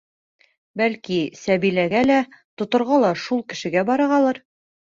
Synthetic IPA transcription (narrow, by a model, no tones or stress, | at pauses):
bælkisæbilæɡælæt̪ŏt̪ŏɾʁɑlˠɑʃulˠkɘ̆ʃɘ̆ɡæbɒɾɤʁɑlˠɤɾ